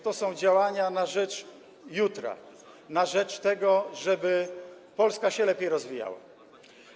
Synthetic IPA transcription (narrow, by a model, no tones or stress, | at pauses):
t̪ɔsɔ̃w̃d͡ʑawaɲanaʐɛt͡ʂ | jut̪ɾa̰ | naʐɛt͡ʂt̪ɛɡɔʐɛbɘ | pɔlskaɕɛlɛpʲjejɾɔzvʲija̰wa̰